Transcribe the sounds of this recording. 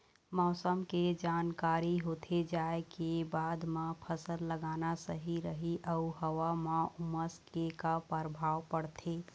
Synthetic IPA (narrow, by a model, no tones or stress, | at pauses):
mɔːsəmked͡ʒaːnkaːɾiɦot̪ʰed͡ʒaekebaːd̪mãpʰəsəlːəɡaːnasəɦiɾəɦiʔəuɦəwamãuməskekapəɾbʱaːwpəɽt̪ʰe